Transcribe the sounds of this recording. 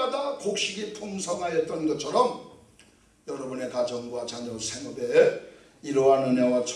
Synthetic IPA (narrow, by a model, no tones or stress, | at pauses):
adakok̚ɕ͈iɡipʰomsʰʌŋɦajet͈̚ʌnɡʌt͡ɕʰʌɾʌm | jʌɾʌbune̞kad͡ʑʌŋɡuwat͡ɕaɲʌsʰeŋʌbe | iɾoɦanɯɲewat͡ɕʰ